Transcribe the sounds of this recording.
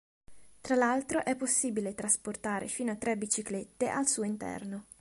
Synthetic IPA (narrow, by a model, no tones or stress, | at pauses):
t̪ɾalalt̪ɾoʔɛpːosːiːbilet̪ɾasport̪aːɾʔḛfiːnoat̪ːɾɛbit͡ʃiklet̪ːeʔalsuːoint̪ɛ̰rno